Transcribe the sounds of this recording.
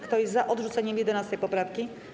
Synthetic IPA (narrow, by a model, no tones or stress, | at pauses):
kt̪ɔjɛzzaʔɔd̪ʐut̪sɛɲɛmjɛd̪ɛnast̪ɛjpɔpɾafkʲi